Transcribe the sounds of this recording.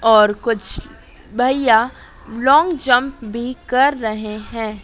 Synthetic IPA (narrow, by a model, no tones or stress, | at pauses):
ɔːɾkʊt͡ʃʰ | bʱɐja | lɔ̃ːŋɡd͡ʒɐ̃mpbʱikɐɾːɐɦeɦɛ̃ː